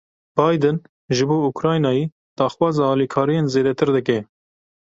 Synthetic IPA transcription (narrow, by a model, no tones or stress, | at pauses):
b̥ɑːjd̪ɨn | ʒɨboːukɾɑːjnɑːjiː | d̪̥ɑːxwɑːzɑːɑːlikʰɑːɾijeːnzeːd̪ɛt̪ʰɨɾd̪ɨk̬ɛ